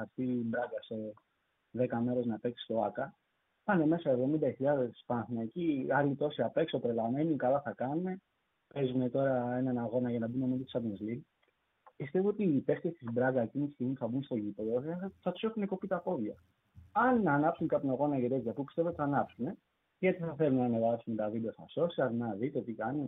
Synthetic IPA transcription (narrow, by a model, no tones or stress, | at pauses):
ɐɾsθibɾɐɡɐse̞ | ðekɐme̞ɾe̞znɐpe̞ksi̥st̪o̞ɐkɐ | pɐne̞me̞sɐevðo̞mind̪ɐçiʎɐðe̞spɐnθunɐeciɐɾlit̪o̞siɐpe̞ksopɾelɐme̞nikɐlɐθɐkɐnne̞ | pe̞zunet̪o̞ɾɐe̞nɐnɐɣo̞nɐʝɐnɐbunemed̪ot̪isɐvnezlin | pist̪e̞voot̪ipe̞ft̪iest̪izbɾɐɡɐe̞cinit̪i̥st̪iɣmipu̥θɐbunst̪o̞ʝipe̞ðoθɐt̪u̥sexune̞ko̞pit̪ɐpo̞ðʝɐ | ɐnɐnɐpsunkɐpinoɣo̞nɐʝet̪ezʝɐpupist̪e̞vot̪iθɐnɐpsune̞ | ʝɐt̪iθɐθe̞lunɐːne̞vɐsunet̪ɐviblɐθɐ̰so̞siɐznɐðit̪ot̪ikɐnu